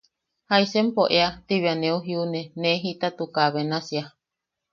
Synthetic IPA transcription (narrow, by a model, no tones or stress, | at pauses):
haisempoʔeat̪iβianẽuɦiunenẽɦit̪at̪ukaβenasia